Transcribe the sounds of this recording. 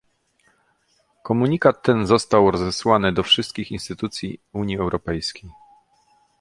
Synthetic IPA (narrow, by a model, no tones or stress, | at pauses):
kɔmuɲikat̪ːɛnzɔst̪awɾɔzɛswanɘd̪ɔfʂɘst̪kʲixinst̪ɘt̪ut̪sʲjiuɲjiɛwɾʔɔpɛjskʲej